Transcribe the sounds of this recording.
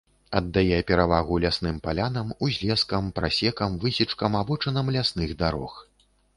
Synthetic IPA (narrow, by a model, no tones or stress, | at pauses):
ɐd̪ːajɛpʲɛɾavaɣulʲasn̪ɨmpalʲanɐmuzʲlʲɛskɐmpɾa̰sʲɛkɐmvɨsʲit͡ʂkɐmabɔt͡ʂɐnɐmlʲasnɨɣd̪aɾɔ̰x